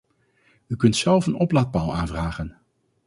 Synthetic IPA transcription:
ykɵntsɛlˠfənɔplat̚balˠaːnvraːχən

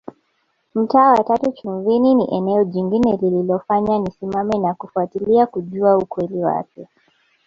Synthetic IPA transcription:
m̩taːwatatut͡ʃuɱvininiʔɛnɛɔʄiŋɡinɛlililɔfaɲanisimamɛnakufuatiliakuʄuaukwɛliwa̰kɛ

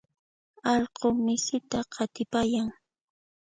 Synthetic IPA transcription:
ɑʎqomɪsɪt̪aqɑt̪ɪpajaŋ

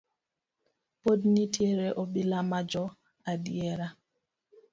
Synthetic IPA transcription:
podnitjeɾeʔobilamad͡ʒɔ | adjeɾa

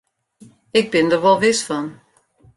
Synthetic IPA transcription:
ɪɡ̚bɪndərʋɔlˠʋɪsfɔn

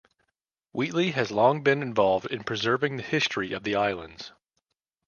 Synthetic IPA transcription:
wiʔˡliɨzlɔ̃ŋbɨ̃nɨ̃ɱvɑlˠvdɨ̃npʰɹ̥ɨzɜ˞vɪ̃ŋðɨhɪstɹ̥iʔʌvðiaɪlˠə̰̃ndz̥

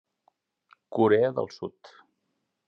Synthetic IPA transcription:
kuɾeəðə̰lˠsṵt̪

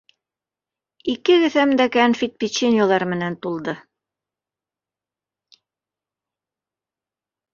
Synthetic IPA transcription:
ikɘɡɘ̆θæmd̪ækænfʲit̪̚pʲit͡ɕenʲjolˠɑɾmɘ̆nænt̪ulˠd̪ɤ

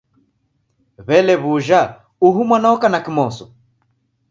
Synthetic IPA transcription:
βɛlɛβuʒa | uɦumwanaɔkanakimɔsɔ

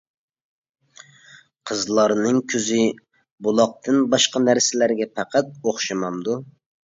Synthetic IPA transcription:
qʰəzlˠɑɾnɨŋkʲʰøzɪ | bolˠɑq̚t̪ʰɨnbɑʃqɑnæɾsɪlæɾɡʲɛpʰæqʰæt̪̚oχʃɑmɑmd̪u

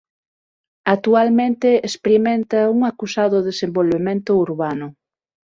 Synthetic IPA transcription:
ak̚t̪ualmẽnt̪eespɾimẽnt̪ɐuŋakusaðʊðesembolβemẽnt̪ʊuɾβanʊ

